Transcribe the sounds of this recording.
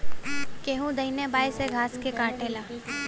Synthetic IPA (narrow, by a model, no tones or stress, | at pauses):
keːɦũd̪ɐinebaːjseɡʱaːskekaːʈʰeːlaː